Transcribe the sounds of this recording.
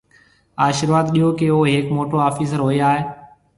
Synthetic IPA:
aːʃəɾʋaːd̪ɗijoːkeoːɦeːkmoːʈoːaːfiːs̬əɾɦoːiaːɦeː

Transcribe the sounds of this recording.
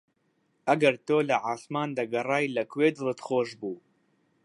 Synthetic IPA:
ʔɐɡɐɾt̪oːlɐʕaːsmɑːnd̪aɡɐrˤɑːjlɐkweːd̪ɨlɨt̪xoːʒbuː

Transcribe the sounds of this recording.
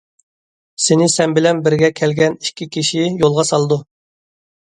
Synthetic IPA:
senɪsɛnbɪlɛnbɪɾɡʲɛkʲʰɛlɡʲɛni̥kʲʰːikʲʰiʃijolˠʁɑsɑlˠɨd̪u

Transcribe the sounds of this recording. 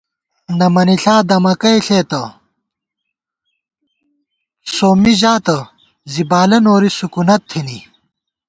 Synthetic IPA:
nɐmɐniɬaːd̪ɐmɐkɐjɬeːt̪ɐ | soːmiʑaːt̪ɐ | zibaːlɐnoːɾisukunɐt̪ʰːini

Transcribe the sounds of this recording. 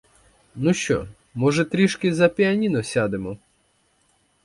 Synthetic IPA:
nuʃt͡ʃɔ̰ | mɔʒɛt̪ɾʲiʃkɪzɐpʲiɐnʲinɔsʲad̪ɪmɔ

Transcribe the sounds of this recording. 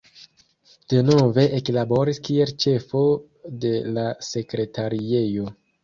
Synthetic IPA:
d̥e̞no̞ve̞ʔeklabo̞ɾiskie̞lt͡ʃe̞fo̞ | de̞lase̞kɾe̞taɾie̞jo̞

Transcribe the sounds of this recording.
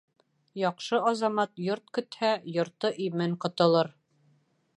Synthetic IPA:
jɒqʃɤʔɑzɑmɑt̪joɾt̪̚kɵ̆t̪hæjŏɾt̪ɤʔimɘɴqŏt̪ɤ̆lˠɤɾ

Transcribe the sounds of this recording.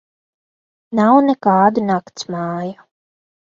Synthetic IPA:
nawnɛkaːd̪unakt̪smɑːju

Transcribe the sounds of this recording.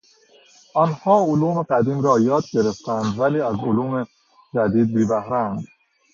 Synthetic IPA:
ɒːnhɒːʊluːmeɡæd̪iːmɾɒːjɒːd̪̚ɡeɾeft̪ænd̪væliːæzoluːme | d͡ʒæd̪iːd̪̚bibæhɾæːnd̪

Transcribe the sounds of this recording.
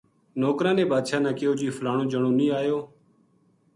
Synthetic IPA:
noːkɾãːnẽːbaːd̪ʃaːnãːkɪjoːd͡ʒiːfʰlaːɳ̃õːd͡ʒəɳõːnĩːaːjoː

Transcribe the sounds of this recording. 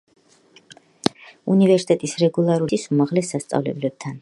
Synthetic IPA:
ṵnivɛɾsi̥t̪ʼɛt̪ʼisɾɛɡulˠaɾuisumaʁlɛsːast̪sʼa̰vlɛ̰blɛb̥̚t̪ʰan

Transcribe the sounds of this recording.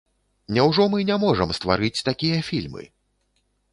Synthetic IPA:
nʲɛwʐɔmɨnʲɛmɔʐɐmst̪va̰ɾɨt͡sʲt̪akʲijɐfʲilʲmɨ̰

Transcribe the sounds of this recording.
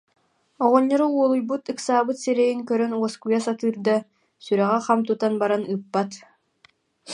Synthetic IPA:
ɔʁɔɲːɔɾɔuɔlˠujbut̪ɯksaːbɯt̪sɛɾɛjiŋkœɾœnuɔskujasat̪ɯːɾd̪a | syɾɛʁɛχamt̪ut̪anbaɾanɯpːat̪

